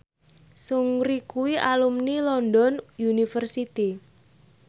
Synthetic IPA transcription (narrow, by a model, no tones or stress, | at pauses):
suŋɾikuwiʔalumnilɔndɔnjunifərsit̪i